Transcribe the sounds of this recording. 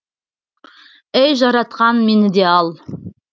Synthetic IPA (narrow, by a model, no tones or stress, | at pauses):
ejʒɑɾɑt̪qɑnme̞nɪd̪e̞ɑlˠ